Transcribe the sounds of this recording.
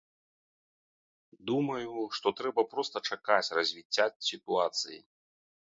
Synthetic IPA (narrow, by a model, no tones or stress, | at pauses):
d̪umɐjuʂt̪ɔt̪ɾɛbɐpɾɔst̪ɐt͡ʂakat͡sʲrɐzʲvʲit͡sʲːasʲit̪uat̪sɨjḭ